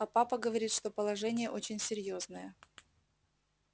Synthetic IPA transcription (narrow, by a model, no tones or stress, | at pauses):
ɐpapəɡəvɐɾʲit̪ʂt̪o̞pəlˠɐʐɛnʲɪjəʔo̞t͡ɕɪnʲsʲɪɾʲjo̞znəjə